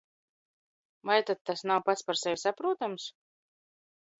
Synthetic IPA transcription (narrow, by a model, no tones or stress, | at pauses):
vajt̪ad̪̚t̪ːasnawpat̪spaɾsɛvʲsapɾuɔt̪ams